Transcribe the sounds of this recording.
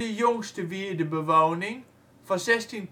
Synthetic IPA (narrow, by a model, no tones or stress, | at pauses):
ijoŋsd̥eʋid̥əbeʋɑ̈ʊ̰neŋ | fɑsesd̥in